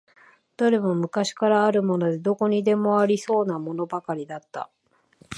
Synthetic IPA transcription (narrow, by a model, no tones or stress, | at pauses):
d̪̥aɾe̞mo̞mɯ̟kaɕi̥kaɾaːɾɯ̟mo̞no̞d̪e̞d̪o̞ko̞ɲ̟id̪e̞mo̞aɾʲiso̞ːnamo̞no̞bakaɾʲid̪at̪ːa̰